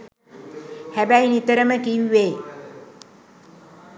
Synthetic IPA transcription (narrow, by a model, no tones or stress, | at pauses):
hæbæjnit̪əɾəməkiwːeː